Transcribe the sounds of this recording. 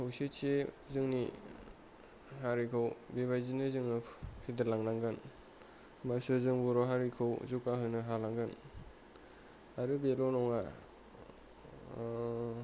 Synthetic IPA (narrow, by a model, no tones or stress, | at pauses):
hawset͡ʃe | zɯŋni | ɦaɾikʰɯwbeβajzinɯzɯŋnɯpʰid̪ɯlaŋnaŋɡɯn | masɯzɯŋbɔɾɔɦaɾikʰɯwzukaɦɯjnɯɦalaŋɡɯn | aɾɯbelɔnɔŋa